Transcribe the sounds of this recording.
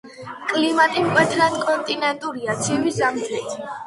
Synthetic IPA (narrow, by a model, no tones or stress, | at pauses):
kʼlimat̪ʼimkʼwɛt̪ʰɾankʼɔnt̪ʼinɛnt̪ʼuɾiat̪sʰivizamd̪zɾɛt̪ʰ